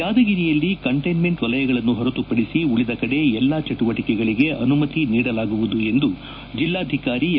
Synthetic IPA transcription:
jaːd̪ɐɡiɾijɐlːikɐɳʈɐjnme̞ɳʈʋɐlɐjɐɡɐɭɐnːuɦɔɾɐt̪upɐɽisiuɭid̪ɐkɐɽe̞ɛlːat͡ʃɐʈuʋɐʈikɛɡɐɭiɡe̞ʔɐnumɐt̪iniːɽɐlaːɡuʋud̪ue̞nd̪u | d͡ʒilːaːd̪ʱikaːɾi

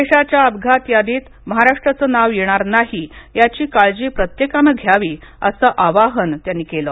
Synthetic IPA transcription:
eɕat͡ɕjaəbɡʱat̪jad̪iːt̪ | məɦaɾaʂʈɾət͡səːnaʋjeɽ̃aɾnaɦijat͡ɕiːkaɭd͡ʑiːpɾət̪jekaməɡʱjaʋiː | ə̰səːʔaʋaɦənt̪janːiːkelə

